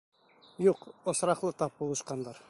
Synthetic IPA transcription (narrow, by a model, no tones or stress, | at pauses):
juqŏsɾɑqlˠɤt̪ɑp̚bulˠɤ̆ʃqɑnd̪ɑɾ